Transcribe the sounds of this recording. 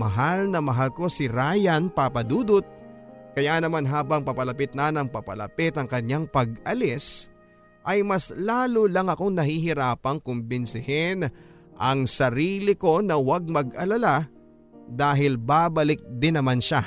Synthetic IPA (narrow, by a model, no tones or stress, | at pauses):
mɐɦalnɐmɐɦalko̞sɪɾaːjɐnpapɐd̪uːd̪ʊt̪̚kɐjanɐmanɦaːbɐŋpɐpɐlɐpɪt̪̚nɐnɐŋpɐpɐlɐ̰pɪt̪ɐŋkɐɲaŋpɐɡ̚ʔɐlɪs | ʔɐjmɐslaːlolɐŋɐko̞ŋnɐhiɦɪɾaːpɐŋkʊmbɪnsɪhɛn | ʔɐŋsɐɾiːlɪko̞nɐwaɡ̚mɐɡʔɐlɐla | d̪aːɦɪlbabɐlɪk̚d̪ɪnːɐmanʃa